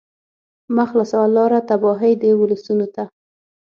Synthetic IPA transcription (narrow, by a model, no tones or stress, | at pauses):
maxlasawalɑɾat̪abɑɦəjd̪əwʊləsunot̪a